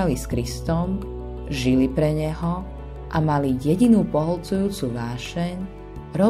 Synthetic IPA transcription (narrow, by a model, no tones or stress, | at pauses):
aliskɾist̪ɔm | ʒilipɾɛɲɛɦɔ | ʔamalijɛɟinuːpɔɦɔlt͡sujuːt͡suʋaːʃɛɲ | ɾɔ